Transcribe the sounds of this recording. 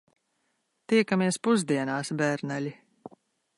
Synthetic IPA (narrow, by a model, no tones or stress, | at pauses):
t̪iɛkamiɛspuzd̪iɛnaːsbæɾnælʲi